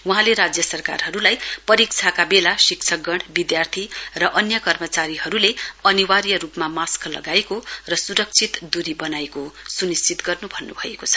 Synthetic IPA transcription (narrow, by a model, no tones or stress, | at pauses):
wuɦãleɾad͡zjʌsʌrka̰rɦʌɾulajpʌɾik̚t͡sʰakabelasik̚t͡sʰʌɡʌɳɽɖbid̪jart̪ʰirʌʔʌnjʌkʌrmʌt͡saɾiɦʌɾuleʌniwaɾjʌɾupmamaskʰʌlʌ̰ɡaekorʌsuɾʌk̚t͡sʰit̪d̪uɾibʌnaekosunist͡sit̪ɡʌrnubʱʌnːṵbʱʌekot͡sʰʌ̥